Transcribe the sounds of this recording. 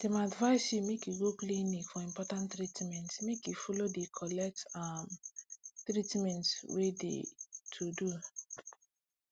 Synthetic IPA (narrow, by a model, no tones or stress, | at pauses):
d̥emadvaɪsimekiɡoklĩnĩɡfɔĩmpɔtãntɾitmɛ̃ntmekifɔlodekʰɔlɛk̚tam | tɾitmɛ̃ntwedḛtʰudu